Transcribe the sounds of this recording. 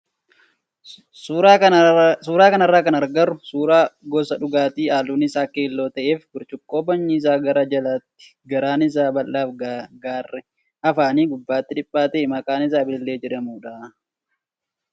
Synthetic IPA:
suːɾasuːɾaːkɐnɐrːaːkɐnɐɾɡɐɾʊsuːɾaːɡɔsɐᶑʊɡaːt̪iːaːluːnɪsaːkeːlːo̞ːt̪ɐʔe̞ːfɡʊɾt͡ʃʊkʼːo̞ːbɐɲːɪs̬aːɡɐɾɐd͡ʒɐlaːt̪ːɪ̥ | ɡɐɾaːnɪs̬aːbɐlːaːfɡaːrːɛ | ɐfaːniːɡʊbːaːt̪ːɪᶑɪpʼːaːt̪ɛmɐkʼaːnɪs̬aːbɪɪlːe̞ːd͡ʒɛᶑɐmuːᶑaː

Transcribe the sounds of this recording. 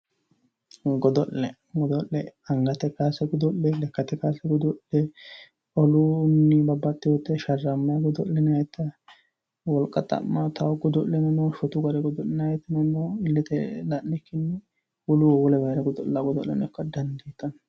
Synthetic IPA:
ɡɔd̪ɔʔːɛ | ɡɔd̪ɔʔlɛɐŋɡɐt̪ɛkaːsɛɡɔd̪ɔllɛlɛkːɐt̪ɛkaːsɛɡɔd̪ɔʔɛ | ɔlʊnːɪbɐbːɐt̪ːɪjɔt̪ːɛʃɐrːɐmːaɡɔd̪ɔ̰llɛnajɛt̪ːɐ | wɔlkʼːɐt̪ʼɐ̰mːat̪ɐwɡɔd̪ɔllɛnɐnɔʃɔt̪ʊɡɐɾɛɡɔd̪ɔlnajt̪ːɐnɐnɔɪlːɛt̪ɛlɐnːɪkːɪnːɛ | wɔlʊɔwɔlɛbɐjɾɐɡɔd̪ɔʔlːaɡɔd̪ɔ̰ʔːɛnɔkːɐd̪ɐnd̪iːt̪ːɐn

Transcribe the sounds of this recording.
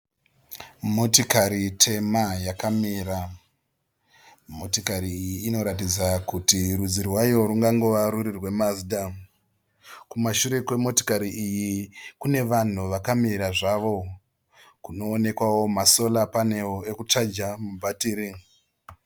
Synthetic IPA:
motokaɾitʰe̞majakamiːra | mo̞tikaɾiːjiːno̞ɾat̬id͡zakutiɾud͡zirwajo̞ɾuŋɡaŋɡo̞ʋaɾuɾirwe̞mazida | kumaʃuɾe̞kwe̞mo̞to̥kaɾiːjikune̞ʋan̤uʋakamiɾaʐaʋo̞ | kuno̞ːne̞kwawo̞maso̞lapane̞woekut͡ʂad͡ʒamubʱatiːɾi

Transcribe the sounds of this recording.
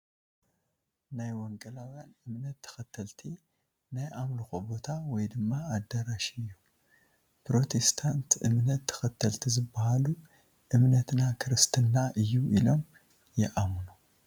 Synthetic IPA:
najwɔŋkʼɐlawjanʔɨmnɐt̪ʰːɐ̥xɐt̪ʰːɐlt̪ʰi | najʔamluxobo̞t̪ʰawɔjd̪ɨmːaːd̪ːɐɾaʃiɨjːu | pɾo̞t̪ʰe̞st̪ʰant̪ʔɨ̰mnɐt̪ʰːɐ̥xɐt̪ʰːɐlt̪ʰizɨbːahalu | ʔɨmnɐt̪nakʰɨɾɨst̪ʰɨnːaʔɨjːuʔilo̞m | jɛʔamnu

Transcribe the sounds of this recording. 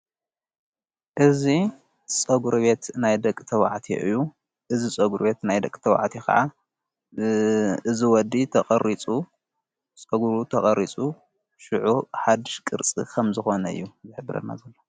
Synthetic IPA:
ʔɨzi | t͡sʼɐɡuɾβe̞t̪najd̪ɐkʼːt̪ʰɐwa̰ʕt̪ʰḭʔɨjːu | ʔɨzit͡sʼɐɡuɾbe̞t̪najd̪ɐkʼt̪ʰɐwa̰ʕt̪ʰikʰɐ̰ʕa | ɨziwɔd̪ːit̪ʰɐχʼɐɾit͡sʼu | t͡sʼɐɡuɾut̪ʰɐχʼɐɾit͡sʼu | ʃɨʕuħad̪ɨʃkʼɨɾt͡sʼḭkʰɐmzɨxo̞nɐɨ̰jːuzɨħɨbɨɾɐ̰d̪na̰zɐlːo

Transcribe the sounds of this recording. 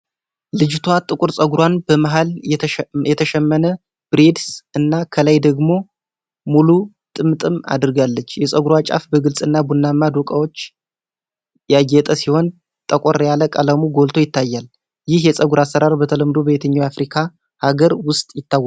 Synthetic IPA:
lɨd͡ʒt̪ʰwat̪ʼɨkʼuɾsʼəɡuɾwanbəmaɦal | jɛt̪ʰəʃɛmːənə | b̥ɾe̞d̪sɨnːakʰəlajd̪əɡmo̞ | mulu | t̪ʼɨmt̪ʼɨma̰d̪ɨɾɡalːət͡ʃːjɛsʼəɡuɾwat͡ʃʼa̰fbəɡɨlsʼɨnːabunːamːad̪okʼawo̞t͡ʃː | jajɛt̪ʼəsiho̞n | t̪ʼəkʼoɾjaləkʼələmuɡo̞lt̪ʰojɪt̪ʰːajːal | jɪhjɛsʼəɡuɾasːəɾaɾbət̪ʰələmd̪obəβet̪ʰəɲːawafɾikʰa | haɡəɾwʊst̪ʼjɪt̪ʰːaw

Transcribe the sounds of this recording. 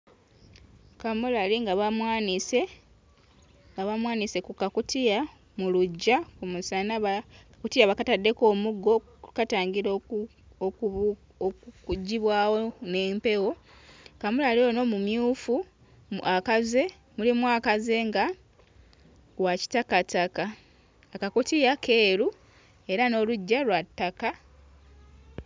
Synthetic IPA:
kamulaliŋɡaβamwaːnise̞ | ŋɡaβamwaːnise̞kukːakutia | muluɟːakumusanaβa | kutijaβakatadːe̞ko̞ːmuɡːo̞ | kataːɲɡiɾo | o | ouɟiβwaːwone̞ːmpe̞wo̞kamulalio̞no̞mumjuːfu | ʔakaze̞ | mulimwakaze̞ŋɡa | waci̥takatakaː | kakutijakʰe̞ːɾu | e̞ɾano̞luɟːalwatːaka

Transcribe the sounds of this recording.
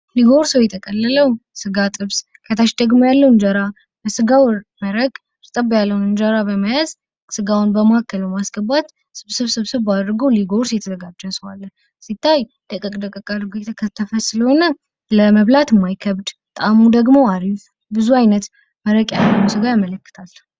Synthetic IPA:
liɡoɾsəwjɛt̪ʰəkʼəlːələwsɨɡat̪ʼɨβs | kʰət̪ʰaʃd̪əɡmojalːəwɨnd͡ʒəɾa | bəsɨɡawməɾəɡ | ɾɨt̪ʼəbjalːəwunɨnd͡ʒəɾabəmajaz | sɨɡawnbəmaakʰːəlbəmasɡəbat̪ | sɨβsɨβsɨβsɨβad̪ɾɨɡəwliɡo̞ɾsjɛt̪ʰəzəɡad͡ʒːəsəwalː | sit̪ʰːaj | d̪̥əkʼɨkʼd̪əkʼɨkʼad̪ɾɨɡojɛt̪ʰəkʰət̪ʰːəfəsɨləho̞nə | ləməβlat̪ɨmːajkʰəβd̪t̪ʼamud̪əɡmo̞aɾif | bɨzuajnət̪ | məɾəkʼjalːəwnsɨɡajamələkːɨ̥t̪ʰalː

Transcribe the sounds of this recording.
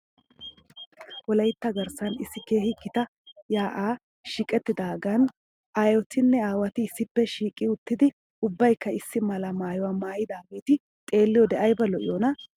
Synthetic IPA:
wɔlɐjt̪ːɐɡɐɾsɐnɪsːɪkeːhɪkːɪt̪ɐ | jaːʔaː | ʃikʼɛt̪ːɪd̪aːɡɐn | ʔaːjɔt̪ʰɪnːɛaːwɐt̪ɪɪsːɪpːɛʃiːkʼːɪʊt̪ːɪd̪ɪ | ʊbːɐjkːɐɪsːɪmɐlɐmaːjɔwaːmaːjɪd̪aːɡe̞ːt̪ɪ | t̪ʼe̞ːlːɪjɔd̪ɛʔɐjbɐlɔʔɪjoːnɐ

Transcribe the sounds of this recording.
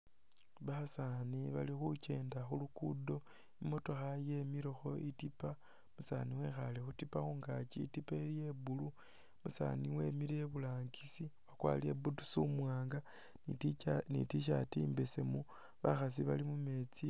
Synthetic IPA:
βasaniβalixut͡ʃe̞ːndaxulukudo̞ | imo̞to̞xajemiɾoxo̞ʔitipa | musa̰niwe̞xalexutipaxuŋɡat͡ʃiːtipailjebulu | musa̰niwe̞miɾe̞βulaːŋɡisiwakwa̰liḛbutu̥sumwaːŋɡa | nḭtiʃ̬atiːmbese̞mu | βaxas̬iβalimume̞t͡si

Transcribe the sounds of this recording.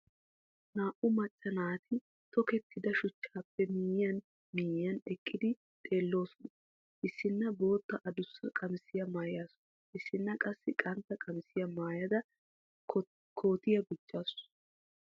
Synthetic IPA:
naːʔʊmɐt͡ʃʼːɐnaːt̪ʰɪ | t̪ɔkɛt̪ʰːɪd̪ɐʃʊt͡ʃːaːpːɛmiːjjɐn | miːjɐnɛkʼːɪd̪ɪ | t̪ʼe̞ːlːo̞ːsɔnɐ | ʔɪsːɪnːɐbo̞ːt̪ːɐʔɐd̪ʊsːɐkʼɐmɪsɪjɐmaːjaːsɔ̥n | ʔɪsːɪnːɐkʼɐsːɪkʼɐnt̪ːɐkʼɐmɪsɪjɐmaːjɐd̪ɐ | kʰo̞ːt̪ɪjɐɡʊd͡ʒːaːsʊ

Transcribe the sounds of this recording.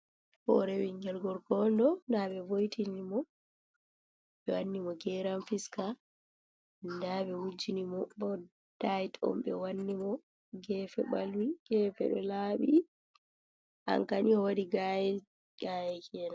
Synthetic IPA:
fɔ̰ɾɛwiŋɡɛlɡɔɾkɔndɔndaɓɛvojtʰinimɔ | ɓɛwanːimɔɡɛɾamfiska | ndaɓɛwud͡ʒinimɔbɔ | d̥ajtɔ̰mɓɛ̰wanːimɔ | ɡɛːfɛɓa̰lwiɡ̥ɛːfɛ̰ɗɔ̰laɓi | ʔa̰ŋkaniɔwadiɡajɛ | ɡ̥ajɛkʰɛna

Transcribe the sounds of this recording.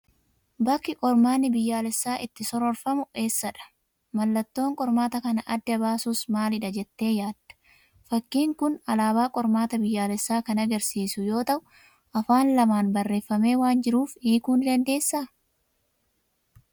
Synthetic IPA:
bɐkːɪkʼɔɾmaːnːɪbɪjːaːlɛsːaːʔɪt̪ːɪsɔɾɔɾfɐmʊʔe̞ːsːɐᶑɐ̥ | mɐlːɐt̪ːo̞ːŋkʼɔɾmaːt̪ɐkɐnɐʔɐd̪ːɐbaːsuːsmaːlɪᶑɐd͡ʒɛt̪ːe̞ːjaːd̪̥ːɐ̥ | fɐkːiːŋkʊnɐlaːbaːkʼɔɾmaːt̪ɐbɪjːaːlɛsːaːkɐnɐɡɐɾsiːsʊjo̞ːt̪ɐʔʊ | ʔɐfaːnlɐmaːnbɐrːe̞ːfːɐme̞ːwaːnd͡ʒɪɾuːfiːkuːnd̪ɐnd̪e̞ːsːa

